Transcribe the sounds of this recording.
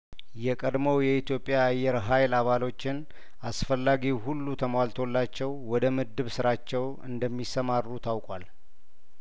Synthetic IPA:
jɛkʼəd̪mowjɛit̪jo̞pʼːjaːjːɛɾɦajlaβalo̞t͡ʃːɪn | ʔasfəlːaɡiɦulːut̪ʰəmwalt̪ʰo̞lːat͡ʃːɛwːɔd̪əmɨd̪ɨβsɨɾat͡ʃːɛw | ɨ̰nd̪əmːisəmarːut̪ʰawkʼwal

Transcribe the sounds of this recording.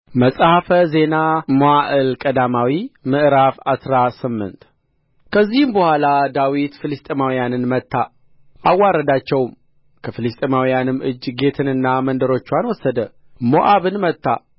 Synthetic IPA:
məsʼhəfəze̞namoaʔɨlkʼəd̪amawimɨʔɾafasɾasɨmːɨ̰nt̪ | kʰəzːihɨmbəhʷalad̪awit̪fɨlɨst̪ʼemawijanɨnmət̪ːa | ʔawːaɾəd̪at͡ʃːɛwm | kʰəfɨlɨst̪ʼemawijanɨmɨd͡ʒːɡe̞t̪ʰɨnɨnːamənd̪əɾo̞t͡ʃːwanwɔsːəd̪ə | moʔaβɨnmət̪ːa̰

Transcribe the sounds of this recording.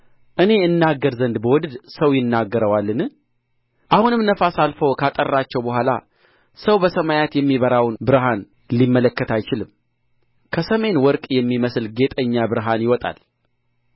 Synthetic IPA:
ʔɨne̞ɨnːaɡːəɾzənd̪bəwɔd̪ɨd̪səwjɪnːaɡːəɾəwalːɨn | ʔahunɨmnəfasalfokʰat̪ʼərːat͡ʃːɛwbəɦʷala̰ | səwbəsəmajat̪jɛmːiβəɾawnbɨɾɦan | limːələkːət̪ʰajt͡ʃɪlɨmː | kʰəsəme̞nwɔɾkʼjɛmːiməsɨlɡe̞t̪ʼəɲːabɨɾɦanjɪwɔt̪ʼa̰l

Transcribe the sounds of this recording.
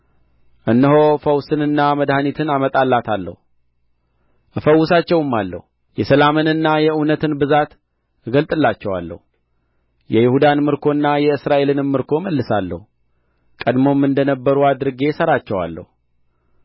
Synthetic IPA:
ʔɨnːɨɦo̞fəwsɨnɨnːaməd̪hanit̪ʰɨnamət̪ʼalːat̪ʰalːə̰hu | ʔɨfəwːʊsat͡ʃːɛwɨmːalːə̰hu | jɛsəlamɨnɨnːajɛʔɨwnət̪ɨnbɨzat̪ | ɡəlt̪ʼɨlːat͡ʃːɛwa̰lːə̰hu | jɛjɪhud̪anmɨɾkʰo̞ɨnːajɛɨsɾaʔe̞lɨnmɨɾkʰo̞məlːɨsalːə̰hu | kʼəd̪mo̞mːɨnd̪ənəbːəɾuad̪ɨɾɨɡe̞səɾat͡ʃːɛwa̰lːə̰hu

